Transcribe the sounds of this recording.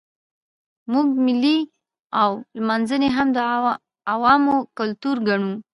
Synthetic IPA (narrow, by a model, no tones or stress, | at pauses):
muɡ̚mɪlːi | awlmɑnzəneɦamd̪ə | awɑmokalt̪uɾɡaɳu